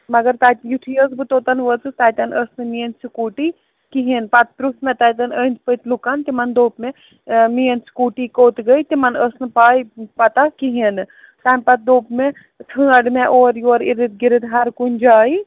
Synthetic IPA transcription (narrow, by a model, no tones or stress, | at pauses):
mɐɡɐɾt̪aːt̪juʈʰijəzbɨt̪oːt̪ɐnʋət͡sɨt̪aːjt̪ɐnəsnɨmijənsʰikuːʈi | kiɦinpɐt̪̚pɾusmẽt̪aːjt̪ɐnənd͡ʒpət̪lukant̪imɐnd̪oːpmẽ | mijənsʰi̥kuːʈikoːt̪ɡəit̪imɐnəsnɨpaːjpɐt̪akiɦinɨ | t̪anʲpɐt̪̚d̪oːpme | t̪ʰɨ̃ɐɖmeʔoːɾjoːɾiɾit̪̚ɡiɾid̪ɦɐɾkunʲd͡ʒaːi